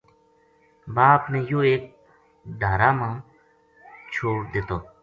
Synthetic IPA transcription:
baːpnẽːjoːeːk̚ | ɖʱaːɾaːmãː | t͡ʃʰoːɽd̪ɪt̪oː

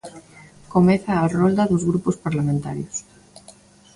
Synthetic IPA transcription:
komɛθaːrond̪ɐðozɣɾupʊspaɾlamẽnt̪a̰ɾjos

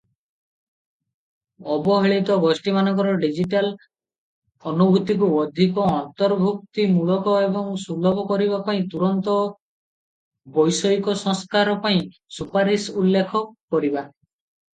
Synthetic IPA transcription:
ɔbɔɦeɭit̪ɔɡɔsʈimanɔ̃ŋkɔɾɔɖid͡ʒiʈal | ɔnubʱut̪ik̬uɔd̪ʱikɔːnt̪ɔɾbʱuk̚t̪imuɭɔkɔebɔŋsulɔbɔkɔɾiβapaĩt̪uɾɔnt̪ɔ | bɔjsɔjkɔsɔŋskaɾɔpaĩ | supaɾisulːekʰɔkɔɾiba

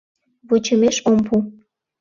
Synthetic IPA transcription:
βot͡ɕə̆meʃompʰu

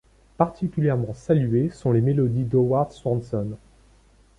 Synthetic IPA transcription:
paʁt̪ʰikʲyljɛʁmɑ̃salɥesɔ̃lemelɔd̪id̪ɔwaʁd̪swɑ̃nsɔn

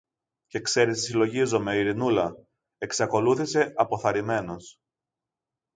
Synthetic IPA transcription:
ce̞kse̞ɾist̪i̥silo̞ʝizo̞me̞oiɾinulɐ | eksɐko̞luθise̞ʔɐpo̞θɐɾime̞no̞s

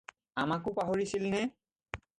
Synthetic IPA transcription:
amakʊpaɦoɹisilnɛ

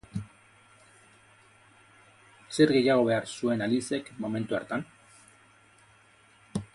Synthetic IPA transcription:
se̞ɾɣe̞jaɣ̞o̞βe̞aɾsue̞nalise̞kmo̞me̞nt̪uaɾt̪an

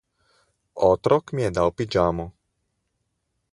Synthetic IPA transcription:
ot̪ɾɔkmijɛd̪awpid͡ʒaːmɔ

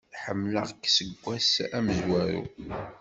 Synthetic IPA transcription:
ħəmːləʁəkːsəɡʷːæsæməzwæɾṵ

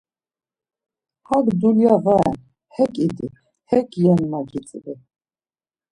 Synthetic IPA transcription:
haɡd̪uljaɣɛ̰n | hɛkʼid̪i | hɛkʼjɛnmaɡit͡sʼvi

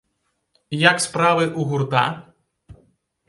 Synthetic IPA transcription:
jakspɾaβeʔuɣuɾt̪a̰

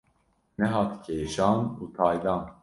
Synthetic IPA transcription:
nɛɦɑːt̪cʰeːʃɑːnuːt̪ʰɑːjd̪ɑːn

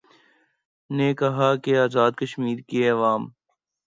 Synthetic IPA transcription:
nekɐɦakeaːzaːd̪kɐʃmiːɾkeɐʋaːm

